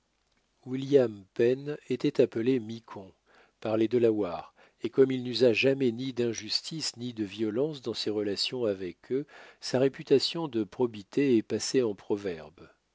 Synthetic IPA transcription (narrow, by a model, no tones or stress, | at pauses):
wiljampɛnet̪ɛt̪apəlemikʰɔ̃ | paʁled̪əlawaːʁ | ekɔmilnyzaʒamɛnid̪ɛ̃ʒyst̪isnid̪əvjɔlɑ̃sd̪ɑ̃seʁəlasjɔ̃avɛkʰøsaʁepyt̪asjɔ̃d̪əpχɔbit̪eɛpaseɑ̃pχɔvɛʁb